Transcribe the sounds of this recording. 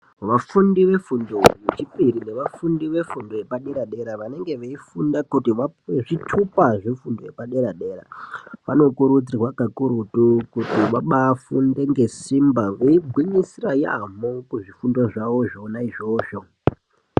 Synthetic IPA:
ʋafundiʋe̞fundoʋet͡ʃipiɾine̞ʋafundiʋe̞fundojepaɗe̞ɾaɗe̞ɾaʋane̞ŋɡe̞ʋeifundakutiʋaʐitʰupaʐifundojepaɗe̞ɾaɗe̞ɾa̰ʋano̞kuɾud͡zirwakakuɾutukutiʋaɓaːfunde̞ŋɡe̞simbaʋeibʱwiɲisiraja̰mokuʐifundo̞ʐaʋo̞ʐoːnaiʐo̞ːʃo̞

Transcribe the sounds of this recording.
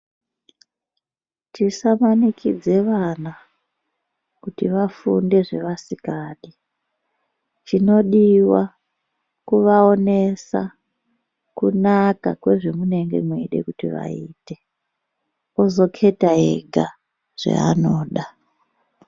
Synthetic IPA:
tisamanikʰid͡ze̞ʋana | kutiʋafunde̞ʐe̞̰ʋasikaːɗi | t͡ʃino̞ɗiwa | kuʋao̞ne̞sa̰ | kunaka̰kwe̞ʐemune̞ŋɡe̞̰mweiɗe̞̰kutiʋa̰iːte̞ | ozo̞kʰe̞taɦḛɡʱa | ʐ̥ḛa̰noːɗa

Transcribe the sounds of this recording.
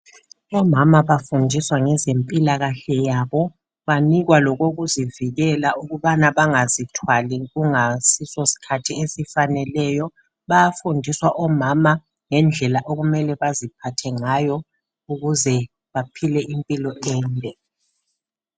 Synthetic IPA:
ɔmamaβafundʱiswaŋɛzempʼilaɣaɬɛjaβɔ | βaniɣwalɔɣoɣuziviɣɛlaʔuɣuβanaβaŋazitʰwaliɣuŋasisɔsi̥kʰatʰiesifanɛlɛjɔ | βajafundʱiswaʔɔmama | ŋɛnd͡ɮʱɛlaʔoɣumɛlɛβazipʰatʰɛŋajɔ | uɣuzɛ | βapʰilɛʔimpʼilɔʔɛːntʼɛ

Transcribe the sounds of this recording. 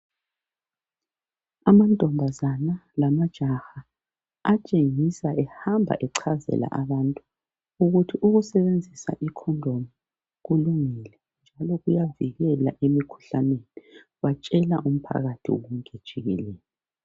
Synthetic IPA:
amantʼɔmbʱazanalamad̥ʒ̥ʱaxa | at͡ʃʼeŋisaʔɛhambʱa̰ʔɛǀʰazɛ̰la̰ʔaβantʼu̥ | uɣutʰiʔuɣusɛβend͡zʱisa̰ʔikʰɔndʱomi | ɣuluŋilɛ | nd͡ʒʱalɔɣujaviɣɛlaʔemikʰu̥ɬaneni | βat͡ʃʼɛla̰ʔum̩pʰa̰ɣatʰḭɔ̰ɣumɡʱed̥ʒ̥ʱiɣḭlɛːlɔ

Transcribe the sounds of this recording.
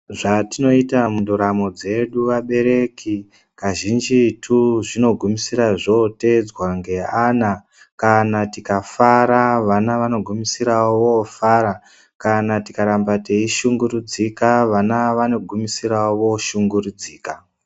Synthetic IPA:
ʐatino̞itamundoɾamod͡ze̞ɗuʋaɓe̞ɾe̞kʰi | kaʒind͡ʒitʰuʐino̞ɡʱumisiɾaʐo̞te̞d͡zwaŋɡe̞ana | kanatikafaɾaʋanaʋano̞ɡʱumisiɾawofaːɾa | kanatikaɾambate̞iʃuŋɡuɾud͡zikaʋanaʋano̞ɡʱumisiɾawo̞ʃuŋɡurud͡ziːka

